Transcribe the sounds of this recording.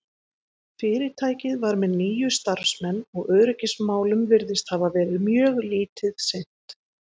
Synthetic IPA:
fɪːɾɪɾ̥t̪ʰaːjcɪðvaɾmɛðniːjʏst̪aɾ̥fsmɛnːɔɣœːɾɪcɪsmaːwlʏmvɪɾðɪst̪havavɛːɾɪðmjœːɣliːt̪ɪðsejn̥t̪

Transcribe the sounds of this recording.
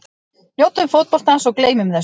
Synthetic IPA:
njowt̪ʏmfowt̪̚pɔl̥t̪ansɔɣkleːjmʏmθɛs

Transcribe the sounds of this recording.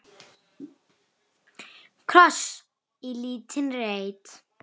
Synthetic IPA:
kʰɾɔs | iliːt̪ʰɪnɾejt̪

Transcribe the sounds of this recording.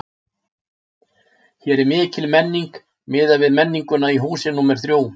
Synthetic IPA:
çjɛɾɛɾmɪːcɪlmɛnːiŋk | mɪːðavɪðmɛnːiŋkʏnaiɦuːsɪnumɛɾ̥θɾjoːw

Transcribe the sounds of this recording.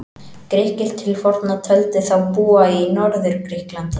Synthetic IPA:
kɾɪhkɪɾ̥t̪ʰːɪlfɔɾ̥t̪nat̪ʰœlt̪ɪθawpuːainɔɾðʏɾ̥kɾɪhklant̪

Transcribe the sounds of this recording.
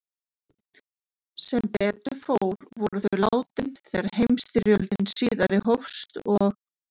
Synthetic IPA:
sɛmpɛːt̪ʏfowɾvɔɾʏθœɥlaːwt̪ɪnθɛaɾhejmst̪ɪɾjœlt̪ɪnsiːðaɾɪɦowfst̪ɔɣ

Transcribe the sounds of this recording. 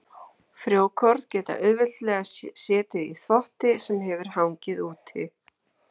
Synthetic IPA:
fɾjoːwkʰɔɾðcɛːt̪a̰ʔʏðvɪ̥t̪lɛːɣasjɛːt̪ɪðḭθɔht̪ɪsɛmɦɛvʏɾ̥hawɲcɪðuːt̪ʰɪ̰

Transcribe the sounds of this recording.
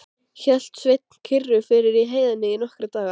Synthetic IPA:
çɛl̥t̪svejt̪̚n̥kʰɪrːʏfɪɾɪɾiɦeːjðanːɪinɔhkɾɪt̪aːɣa

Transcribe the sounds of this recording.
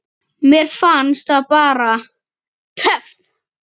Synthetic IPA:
mjɛɾ̥fanst̪aðpaːɾa | t̪ʰœfθ

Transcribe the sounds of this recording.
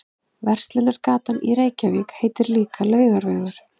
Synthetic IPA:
vɛr̥st̪lɪnaɾ̥kaːt̪anʔiɾeːjcaviːkheːjt̪ɪɾliːkʰalœːɥɣaɾvœːɥɣʏɾ̥

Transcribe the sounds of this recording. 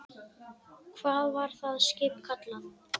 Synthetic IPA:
kʰvaːðvaɾ̥θaðscɪjpkʰat̪lan

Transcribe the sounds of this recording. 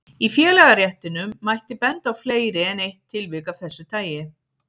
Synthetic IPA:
ifjɛːlɛɣarjɛht̪ɪnʏmːajht̪ɪpɛnt̪awfleːjɾɪɛnejht̪ʰːɪlvɪkavθɛsːʏt̪ʰaːjɪ

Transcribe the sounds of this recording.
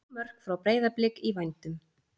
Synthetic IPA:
mœr̥kfɾawpɾeːjðaplɪkivajnt̪ʏm

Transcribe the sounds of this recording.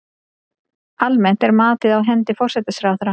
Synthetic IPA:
almɛn̥t̪ɛɾmaːt̪ɪðawɦɛnt̪ɪfɔr̥sɛt̪ɪsɾawθɾa

